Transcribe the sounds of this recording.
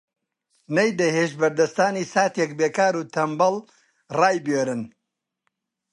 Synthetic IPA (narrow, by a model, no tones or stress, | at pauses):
nɐjd̪ɐheːʃbɐɾd̪ɐst̪aːniːsaːt̪jek̚beːkaːɾuːt̪ʰɐmbɐl | raːjbjeːɾɨn